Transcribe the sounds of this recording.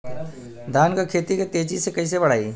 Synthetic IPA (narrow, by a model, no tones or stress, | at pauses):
d̪ʱaːnkakʰeːt̪iket̪eːt͡ʃisekɐis̬ebɐɽ̤aːiː